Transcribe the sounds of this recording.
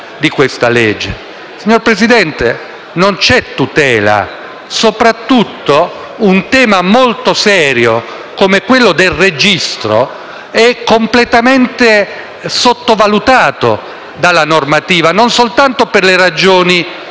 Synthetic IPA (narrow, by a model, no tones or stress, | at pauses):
d̪ikwest̪aled͡ʒːe | siɲːorpɾesid̪ɛnt̪e | nont͡ʃɛt̪ːut̪ɛːla̰ | sopɾat̪ːut̪ːo | unt̪ɛːmamolt̪osɛːɾjo | komekwelːod̪elred͡ʒist̪ɾo̰ | ɛkːomplet̪amɛnt̪e | sot̪ːovalut̪aːt̪o̰ | d̪alːanormat̪iːvanonsolt̪ant̪operleɾad͡ʒoːni